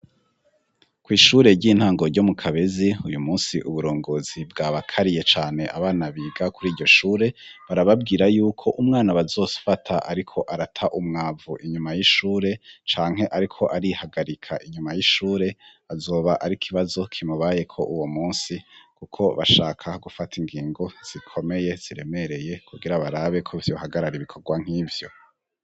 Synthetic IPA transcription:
kwiːʃuːɾe̞ɾɟiːn̥haːŋɡo̞ɾɟo̞mukʰaβe̞ziujumuːnsiʔuβuɾo̞ːŋɡo̞ːzibɡaːβakʰaɾije̞t͡ʃaːne̞ʔaβaːnaβiːɡakuɾiːɾɟo̞ʃuːɾe̞βaɾaβab̚ɡiːɾajuːkʰo̞ʔumŋaːnaβazo̞ːsfatʰaʔa̰ɾikʰo̞ʔaɾatʰaʔumŋaːvuʔiɲumajiʃuːɾe̞t͡ʃaːŋɦe̞ʔaɾikʰo̞ʔaɾihaɡaɾikʰaʔiɲumajiʃuːɾe̞ | azo̞ːβaʔaɾikʰiβazo̞kʰimuβaːje̞kʰo̞ʔuwo̞muːnsikukʰo̞βa̰ʃaːkʰaɡufatʰiŋɡiːŋɡo̞z̥ikʰo̞me̞je̞z̥iɾe̞me̞ɾe̞je̞kʰuɡiɾaβaɾaβe̞kʰo̞vjo̞haɡaɾaɾiβikʰo̞ɾɡwaŋ̥hivjo̞

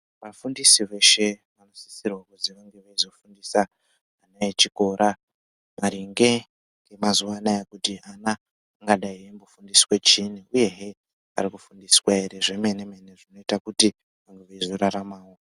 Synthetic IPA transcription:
ʋafundisiʋe̞ʃe̞ʋano̞si̥sirwakuziʋaŋɡe̞ʋaizo̞fundisaː | najet͡ʃiko̞ːɾʔa | maɾiŋɡe̞ | ŋɡe̞mazuʋanajakutiʔanaː | ŋɡaɗaiwembofundisi̥we̞t͡ʃiniuje̞ɦe | a̰rikufundiswaeɾe̞ʐe̞menemeneʐino̞itakuti | ʋaŋɡeʋaizo̞ɾaɾamaːwo̞

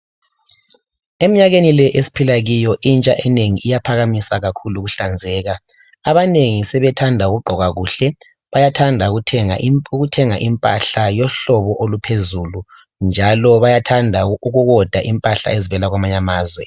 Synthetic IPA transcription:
em̩ɲaɣenilɛʔesi̥pʰilaɣijɔʔint͡ʃʼaʔɛneŋiʔijapʰaɣamisaɣakʰuluɣuɬand͡zʱɛːɣa | aβaneŋisɛβɛtʰandʱauɣuɡ͡ǃʱɔɣaɣuːɬɛ | βajatʰandʱaɣutʰɛŋaɣutʰɛŋaʔimpʼa̰ɬajɔɬɔβɔʔolupʰezulu | nd͡ʒʱalɔβajatʰandʱauɣuɣɔd̥ʱaʔimpʼaɬa̰ezivɛlaɣwamaɲamaːzwɛ

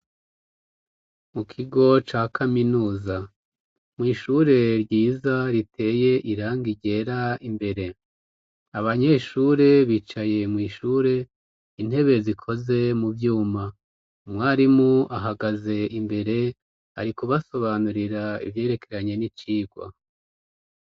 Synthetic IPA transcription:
mukʰiɡo̞t͡ʃaːkʰaminuːza | mŋiːʃuɾe̞ɾɟiːzaɾitʰe̞ːje̞ʔiɾaːŋɡiɟe̞ːɾaimbe̞ɾe̞ | aβaɲe̞ʃuːɾe̞βiːt͡ʃaje̞mŋiːʃuːɾe̞ | in̥e̞βe̞zikʰo̞ze̞muvjuːma | mŋaːɾimuʔaɦaɡaze̞imbe̞ɾe̞ | a̰ɾikuβaso̞βaːnuɾiɾaḭvje̞ːɾe̞kʰe̞ɾaɲe̞nit͡ʃiːɡwa̰

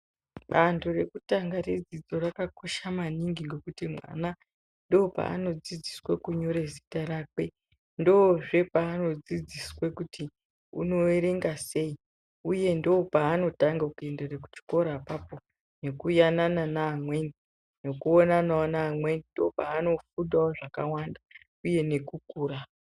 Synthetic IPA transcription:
ɓanto̞re̞kutaŋɡared͡zid͡zo̞rakako̞ʃamaniŋɡiŋɡe̞kutimwa̰na | ndo̞pa̰ːno̞d͡zid͡ziswekuɲo̞ɾezitaɾakwe̞ | ndo̞ʐe̞paːno̞d͡zid͡ziswekuti | ṵno̞eɾe̞ŋɡase̞i | uje̞ndoːpaːno̞taŋɡakuendereku̥t͡ʃi̥ko̞ɾapapo̞ | ne̞kujanananaːmwe̞ni | no̞kuonanaonaːmwe̞nindopaːno̞fuɗdaoʐaka̰wanda | uje̞ne̞kukuːɾa

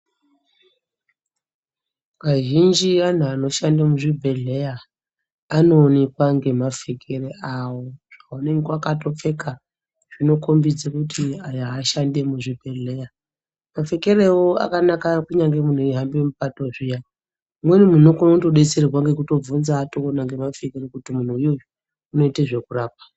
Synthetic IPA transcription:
kaʒind͡ʒian̤uano̞ʃandemuʐibʱe̞ɮe̞jaː | no̞ːnekwaŋɡe̞mafe̞kʰereawoʐ̥aune̞ŋɡewakato̞p͡fe̞ka | ʐ̥ino̞kʰombid͡zakutʰiajaːʃande̞muʐibʱe̞ɮeja | mafe̞ke̞ɾewoa̰kanakakuɲaŋɡe̞mun̤uiɦambewemupatoʐija | mwenimunokonotoɗet͡serirwaŋɡe̞kuto̞b͡vunzaːto̞ːnaŋɡe̞mafekeɾekutimun̤uijo̞jo | uno̞iteʐe̞kuraːp̚wḁ

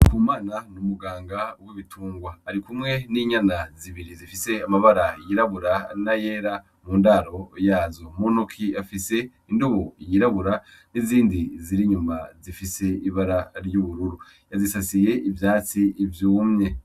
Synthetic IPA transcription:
kʰuːmaːnanumuɡaːŋɡauwiβitʰuːŋɡwaːɾikumŋe̞niːɲanaziβiɾizifise̞amaβaɾajiɾaβuɾanaje̞ːɾa | muːndaɾo̞jaːzo̞monokʰiafise̞ | induβoijiɾaβuɾa | niziːndiziɾiɲumazifise̞iβaɾaɾjuβuɾuɾu | jazisasije̞ivjaːt͡siːvjuːmɲe̞

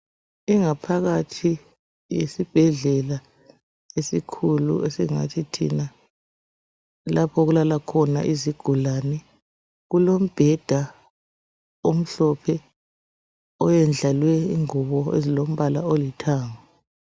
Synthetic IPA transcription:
iŋapʰaɣatʰi | jesib̥ʱɛɮɛla | esikʰulṵʔesiŋa̰tʰitʰḭna | lapʰɔɣulalakʰɔna̰ʔiziɡ̥ʱulaːnɛ | ɣulom̩b̥ʱɛd̥ʱa | om̩ɬɔpʰɛ | ɔjɛnd͡ɮʱalwɛiŋuβɔḛzilom̩βalaolitʰaːŋa

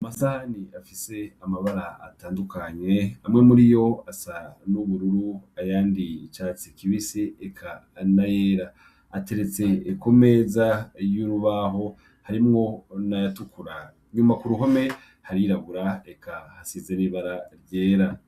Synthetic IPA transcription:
masaniafise̞amaβaɾaa̰taːndukaɲe̞amŋe̞muɾijo̞asanuβuɾuɾuajaːndit͡ʃaːt͡sikiβiseːkʰa | najeɾaː | te̞ɾe̞t͡se̞ːkome̞zajuɾuβaɦo̞ | haɾimŋo̞najatukuɾa | ɲumakuɾuɦo̞me̞ | haɾiɾaβuɾaekʰahasize̞niːβaɾaɾje̞ːɾa

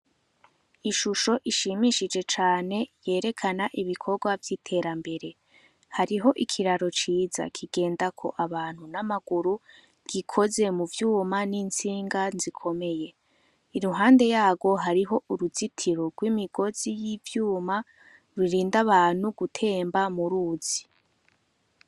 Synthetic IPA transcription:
iʃuʃo̞ʔiʃimiʃid͡ʒe̞t͡ʃaːne̞je̞ːɾe̞kʰanaʔiβikʰo̞ɾɡwavjitʰe̞ɾambe̞ɾe̞ | haɾiɦo̞ʔikʰiɾaɾo̞t͡ʃiːza̰kʰiɡe̞ːndakʰo̞̰ʔaβaːn̥hunamaɡ̥uɾu | ɡ̥ikʰo̞ze̞muvjuːmaniːnt͡siːŋɡanzikʰo̞me̞je̞ | iɾuɦaːnde̞jaːɡwo̞ɦaɾiɦo̞ʔuɾuzitʰiɾo̞ɡ̥wimiɡo̞z̥ijivjuːma | ɾiɾiːndaβaːn̥huɡutʰe̞ːmbamuɾuːz̥i

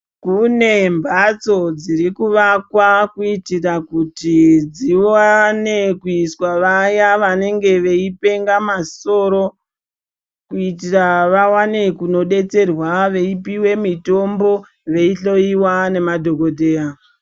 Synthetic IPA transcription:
kune̞mbʱat͡so̞d͡ziɾikuʋakwakuitirakutid͡ziwane̞kuiswaʋajaʋane̞ŋɡe̞ʋe̞ipe̞ŋɡamaso̞ɾo̞ | kuitiraʋawane̞kuno̞ɗe̞t͡se̞rwaʋe̞ipiwe̞mito̞mbo̞ | ʋe̞iɬo̞iwane̞madʱo̞ko̞dʱe̞ːa

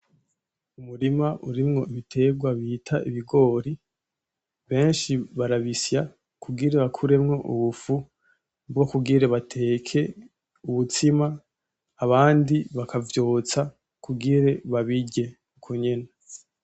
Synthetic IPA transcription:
umuɾimaʔuɾimŋo̞iβitʰe̞ɡwaβitʰaiβiɡo̞ːɾi | βe̞ːnʃiβaɾaβisja | kʰuɡiɾeβakʰuɾe̞mŋo̞ʔuβufu | bɡo̞kuɡiɾeβatʰe̞ːkʰe̞ | uβut͡simaː | βaːndiβakʰavjo̞ːt͡sa | kuɡiɾe̞βaβiɟe̞ | kʰuɲena

